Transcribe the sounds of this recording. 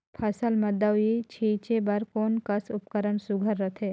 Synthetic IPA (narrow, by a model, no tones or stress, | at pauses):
pʰɐsəlmɐd̪ːəit͡ʃʰiːt͡ʃebɐɾkoːnkəsʊpkəɾənsʊɡʱəɾːɐt̪ʰeː